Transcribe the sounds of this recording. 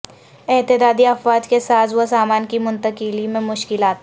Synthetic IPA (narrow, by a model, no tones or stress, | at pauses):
ɛt̪ɪd̪aːd̪iɐfwaːd͡ʒkesaːt̪ʰʋosaːmaːnkimʊ̃nt̪əkilimẽmʊʃkɪlaːt̪